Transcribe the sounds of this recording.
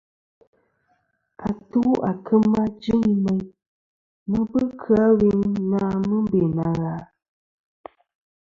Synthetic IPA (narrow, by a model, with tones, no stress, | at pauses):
ka˨tu˦ʔa˨kɨ˦ma˦d͡ʒɨ˦ŋmɛ˨ɲ | mɨ˦bɨ˦kʰɨ˨˦a˦wi˦ŋna˦mɨ˦be˨na˨ɣa˨˦